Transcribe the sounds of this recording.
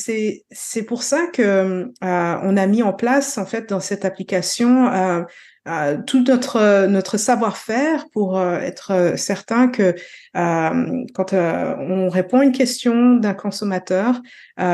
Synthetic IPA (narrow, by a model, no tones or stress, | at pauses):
sɛ | sɛpuʁsakəmøɔ̰̃namiɑ̃plasɑ̃fɛt̪̚d̪ɑ̃sɛt̪aplikasjɔ̃ø | øt̪ʰunɔt̪χənɔt̪χəsavwaʁfɛʁpuʁøɛ̰t̪χəsɛʁt̪ɛ̃kʰəː | mkɑ̃t̪øɔ̃ʁepɔ̃aynk̬ʲɛst̪jɔ̃d̪ɛ̃kɔ̃sɔmat̪œːʁ